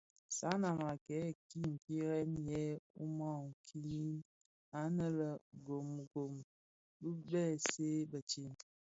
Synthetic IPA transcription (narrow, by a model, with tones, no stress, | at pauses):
sa˦na˨ma˨kɛ˨˦˨ki˦ŋ̩˨ki˦ɾɛ˦njɛ˦u˦mɔ˦˨ŋ˨kʰi˦i˦n | a˨˦nə˦lə˨ɡo˨m˨ɡo˨m | bu˦bɛ˦˨se˦bə˨t͡ʃi˦˨n